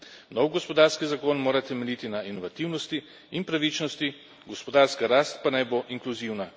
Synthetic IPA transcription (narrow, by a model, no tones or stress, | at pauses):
nɔwɡɔspɔd̪aːɾskizakonmoːɾat̪ɛmɛliːt̪inainɔʋat̪iwnɔst̪i | inpɾaʋit͡ʃnɔst̪i | ɡɔspɔd̪aːɾskaɾaːst̪̚panajboʔiŋkluziwna